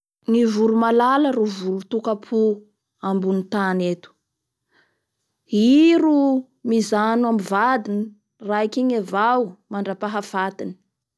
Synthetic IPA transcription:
ŋivuɾumalaləɾuvulut̪ukapʰu | ambunit̪anet̪u̥ | iɾu | mizanuamvad̪ini | raikiɲavawmaɳɖ͡ʐapaɦafat̪ini̥

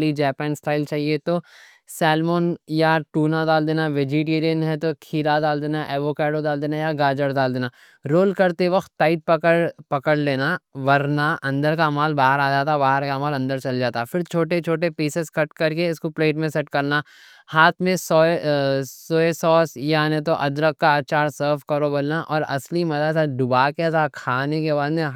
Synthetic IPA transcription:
lid͡ʒɛːpɛːnsʈaːɪlt͡ʃaːɦiet̪o | sɛːlmoːnjaʈuːnad̪aːld̪eːnaʋɪd͡ʒiːʈiːɾijənɦɛt̪okʰiːɾad̪aːld̪eːnaʔɛːʋoːkeːɖod̪aːld̪eːnajaɡaːd͡ʒəɾd̪aːld̪eːna | ɾoːlkɐɾt̪eʋɐxt̪ːaːɪt̪̚pɐəɽpɐkəɽleːnaʋɐɾnaʔɐ̃nd̪əɾkamaːlbaːɦəɾaːd͡ʒaːt̪abaːɦəɾkamaːlɐ̃nd̪əɾt͡ʃɐld͡ʒaːt̪afɪɾt͡ʃʰoːʈet͡ʃʰoːʈepiːseskɐʈkɐɾkeɪskopleːʈmẽsɛʈkɐɾna | haːt̪ʰmẽso | soːesɔːsjanẽt̪̬oʔɐd̪ɾəkːaːt͡ʃaːɾsəːɾfkɐɾobɐlnaʔɔ̰ːɾɐ̰slimɐd̪at̪ad̪ʊbaːket̪akʰaːnekebaːd̪mẽ

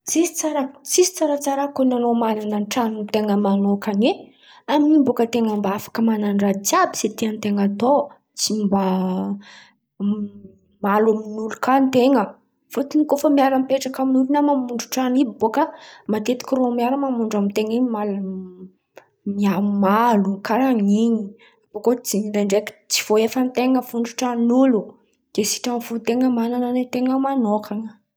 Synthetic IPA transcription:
t͡sisi̥t͡saɾat͡sisi̥t͡saɾat͡saɾakonanomanananʈ͡ʂanint̪eŋəmanokane | aminimbokət̪eŋəmbaafḁkəmananrat͡siabiset̪iant̪eŋat̪o | t͡simba | maluminulukant̪eŋə | fot̪inikofəmiaɾəmpeʈ͡ʂakaminulunamamuɳɖ͡ʐuʈ͡ʂanibibokamat̪et̪i̥kʲiromiaɾəmamuɳɖ͡ʐamint̪eŋiɲimal | miamalukaɾaŋiɲi | apokot͡siɲid̪aɳɖ͡ʐeki̥t͡si̥v̥oefənt̪eŋəfuɳɖ͡ʐuʈ͡ʂanulu | d̪̥esi̥ʈ͡ʂaŋfunt̪eŋəmanananet̪eŋəmanokʰaŋə

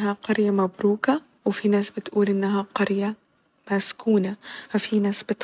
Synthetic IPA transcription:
ɦaqɑɾjamabɾuːka | wɪfinaːsbɪt̪ʔuːlʔɪnːaɦaqɑɾja | maskuːnaafinaːsbɪt̪

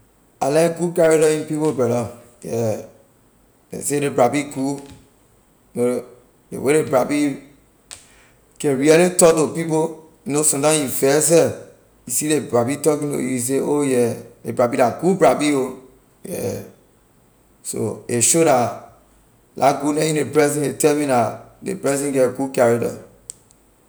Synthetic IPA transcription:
alɛɡukaɾeɾɔĩnpipobɛɾɔ | jɛ | nḛseɾebɾabiku | no | lḛweɾebɾabi | kɛ̃nɾialetɔdopipo | nosɔ̃tãjifɛs̬ɛ | isidebɹabitɔkĩnto̰juis̬eojɛebɾabilaɡubɾabio | jɛ̰ | so̰eʃoda | lʔa̰ɡunɛĩnepɹɛzɛ̃netɛmĩnadḛpɹɛzɛ̃nɡɛɡukaɾeda̰

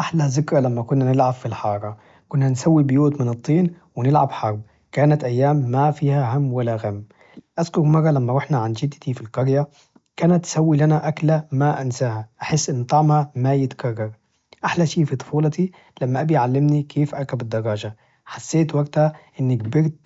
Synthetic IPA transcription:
ʔaħlazɪkɾˤɑlamːakʊnːanɪlʕabfilħɑːɾˤɑ | kʊnːansawːibɪjuːt̪mɪnɨt̪ˤːiːn | wɪnɪlʕabħɑɾˤb | kaːnat̪ʔajːaːmːafiːhaɦamːwalːaɣamː | ʔazkʊɾmɑrˤːɑlamːaɾʊħnaʕand͡ʒɪd̪ːt̪ifilkɑɾja | kaːnat̪ʔsawːilanaʔaklamaʔansaːhaʔaħɪsːʔɪnːt̪ˤɑʕmhamajɪt̪kɑrˤːɑɾ | ʔaħlaʃiːfit̪ˤʊ̥fuːlɑt̪i | lamːaʔabijʕalːɪmnikʰeːfʔɑɾˤkabɪd̪ːɑɾˤːɑːʒa | ħasːeːt̪waɡ̚t̪haʔɪnːɪkbɪɾt̪̚

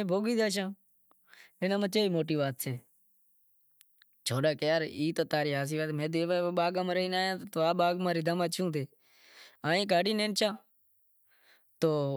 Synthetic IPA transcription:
ẽːbʱoːɡiːd̪aːʃ̬ãː | ɪnãːmə̃t͡ʃeːiːmoːʈ̬iːʋaːt̪seː | t͡ʃʰoːɗaːkejaːɾiːt̪oːt̪aːɾiːɦaːs̬iːʋaːt̪mẽːd̪eːʋaːɓaːɡãːməɾəiːnaːjãːt̪ːt̪oːaːɓaːɡmãːɾiːd̪əmãːt͡ʃʰũːt̪eː | aːĩːk̬aːɽiːnẽːnt͡ʃãː | t̪oː

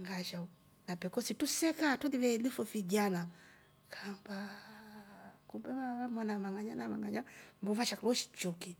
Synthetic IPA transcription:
ŋɡaʃa | napɛkɔsitusɛkatɔliβɛlifufid͡ʒana | kʰamba | kumbɛβaβamwanamaŋɡaɲanamaŋɡaɲambɔvaʃaklɔʃi̥t͡ʃɔki

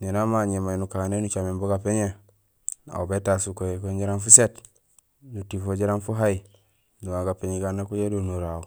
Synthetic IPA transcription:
nenamaɲemanukanenut͡ʃamemboɡapeɲe | na̰ubetasukokoɲd͡ʒiɾanfuset | nutifoɟiɾanfuɦai | nuwaŋɡapeɲiɡanːakujedonuɾau

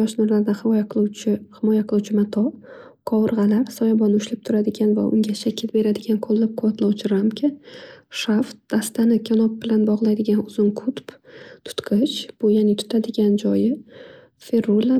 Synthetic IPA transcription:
ɒʃnʊɾlaɾɪd̪ahɪɒjaqʰlˠt͡ʃɪhɪmɒjaqʰɨlˠuwt͡ʃʰɪmat̪ʰɒ | kʰɒwɨɾʁɑlaɾsɒjabɒnʊʃlɪp̚t̪ʰʊɾad̪ɪɡʲanva̰ʔʊ̰ŋɡʲaʃakʲʰɪlbe̞ɾad̪ɪɡʲanqʰolˠːap̚qʰʊvɒt̪ʰlˠawt͡ʃʰɪɾamkʲʰaʃaft̪̚d̪̥ast̪anɪkʲʰanɒp̚b̥ɪlanbɒʁlˠajd̪ɪɡʲanʊz̥ʊnkʰʊt̪pt̪ʰʊ̥t̪qʰɨt͡ʃb̥ʊjanɪt̪ʰʊ̥t̪ʰad̪ɪɡʲand͡ʒɒjɪ | fe̞ɾola

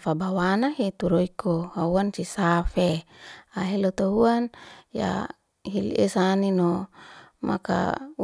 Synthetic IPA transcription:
fabawanaɦit̪uɾoikohauansisafeaɦelot̪oɦuanja̰ | hil̰ʔḛsaninɔ | mʔa̰ka̰u

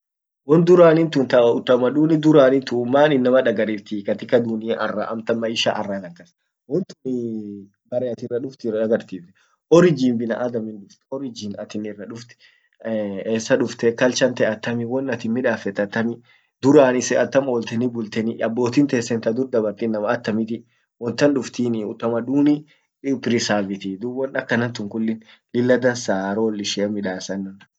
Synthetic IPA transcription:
wɔnd̪ʊɾaːnɪnt̪ʊnt̪ɐʊt̪ːɐmɐᶑuːnɪd̪ʊɾaːnɪnt̪ʊmːaːnɪnːɐmɐᶑɐɡɐɾɪt̪iːkɐt̪ɪkɐd̪unɪɐʔɐrːa̰ːʔɐ̰mt̪ɐmːɐɪʃa̰ːʔɐrːaɡɐkːɐs | wɔnt̪ʊnɪ | bɐɾɛɐt̪ɪrːɐᶑʊft̪ɪᶑɐɡɐɾt̪iːfɛ̥ | ɔɾɪd͡ʒinbɪnɐʔɐd̪ɐmɪnᶑʊft̪ɔɾɪd͡ʒɪːnɐt̪ɪnɪrːɐᶑʊft̪ɛ̥ | eːsːɐᶑʊft̪ɛkɐlt͡ʃɐnt̪ɛɐt̪ːɐmɪwɔnːɐt̪ɪnmɪᶑaːfɛt̪ːɐt̪ːɐmɪ | d̪ʊɾaːnɪsɛɐt̪ːɐmoːlt̪ɛnɪbʊlt̪ɛnɪɐbːo̞ːt̪iːnt̪eːsːɛnt̪ɐd̪ʊɾd̪ɐbɐɾt̪inːɐmɐːt̪ːɐmɪt̪ɪ | wɔnt̪ɐnᶑʊft̪iːnɪʊt̪ːɐmɐduːnɪ | pɪɾɪsaːvɪt̪ɪd̪ʊwɔnɐkːɐnɐnt̪ʊŋkʊlːɪn | lɪlːɐd̪ɐnsaːɾolːɪʃɛɐmɪᶑaːsɐnːʊn

